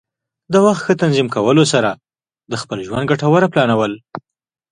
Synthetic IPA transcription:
d̪əwaxt̪xət̪anzimkawəlosaɾa | d̪əxpəlʒwand̪̚ɡaʈawaɾaplɑnawəl

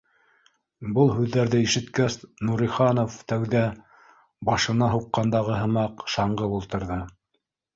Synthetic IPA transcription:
bɤlˠɦʉðːæɾðɘiʃɘ̆t̪kæsnuɾiχɑnoft̪æwðæ | bɑʃɤ̆nɑɦuqːɑnd̪ɑʁɤɦɤ̆mɑqʃɑɴɢɤulˠt̪ɤ̆ɾðɤ

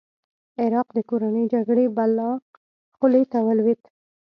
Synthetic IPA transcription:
ɪɾɑqd̪əkoɾanəjd͡ʒaɡɽebalːɑ | xʊlet̪awalwet̪

